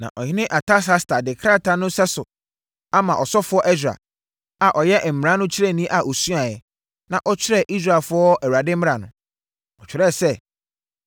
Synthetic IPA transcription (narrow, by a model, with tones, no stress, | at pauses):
nã̰˨ʔɔ˨hɪ̃˦nɪ̃˦ʔa˨tʰa˦s̬a˦sta˨dɪ˨kʰɾa˦tʰa˨nʊ̃˦sɛ˦sʊ˨ | a˦mã˨ʔɔ˨sɔ˦fʊ˨˦ɔ˦ʔɛ˦sᶣɾa̰˨ | a˨ʔɔ˨jɛ˦ʔm̩˨m˨ɾã˦nʊ̃˦t͡ɕʰɪ˦ɾɛ˦˨nĩ˦ʔa˨ʔo˨su˦a˨jɛ˨ | nã˨ʔɔ˦t͡ɕʰᶣɪ˦ɾɛ˦ʔi˦s̬ɾa˨lfʊ˦ɔ˦æ˨wɾa˨dɪ̃˦m̩˦m̃˦ɾa˨nʊ̰̃˨ | ɔ˨t͡ɕᶣɪ˨˦ɾɛ˦˨sɛ˦˨